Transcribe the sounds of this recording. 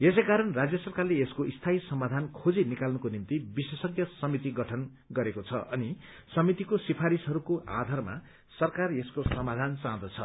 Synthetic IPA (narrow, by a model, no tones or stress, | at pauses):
es̬ekaɾʌnrad͡zjʌsʌrkarleeskoʔist̪ʰaisʌmad̪ʱankʰod͡zinikalnʌkonimt̪ibisesʌɡjʌsʌmit̪iɡʌʈʰʌn | ɡʌɾekot͡sʰʌʔʌni | sʌmit̪ikosipʰaɾisɦʌɾukoa̰d̪ʱarma̰ | sʌrkareskosʌmad̪ʱansãd̪ʌt͡sʰʌ̰